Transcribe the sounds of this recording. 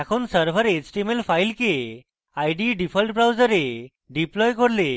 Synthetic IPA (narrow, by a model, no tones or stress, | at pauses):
akʰuːnsəɾfəɾed͡ʑʈemelfajlke | ajɖiɖifʰəlʈbɾawd͡zəɾe | ɖiplɔjkɔɽle